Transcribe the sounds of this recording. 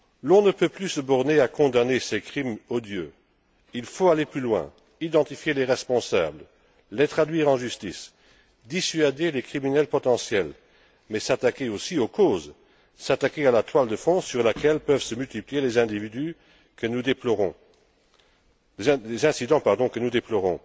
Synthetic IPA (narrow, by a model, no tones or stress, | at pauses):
lɔ̃nəpøplysəbɔʁneakɔ̃d̪anesekχimɔd̪jø | ilfoaleplylwɛ̰̃ | id̪ɑ̃t̪ifjeleʁɛspɔ̃sa̰bl | let̪χad̪ɥiːʁɑ̃ʒyst̪is | d̪isɥad̪elekχiminɛlpɔt̪ɑ̃sjɛl | mɛsat̪akeosiokoːz | sat̪akealat̪wald̪əfɔ̃syʁlakɛlpœvsəmylt̪iplijelezɛ̃d̪ivid̪y | kənud̪eplɔʁɔ̃ | lezɛ̃sid̪ɑ̃paʁd̪ɔ̃kənud̪eplɔʁɔ̰̃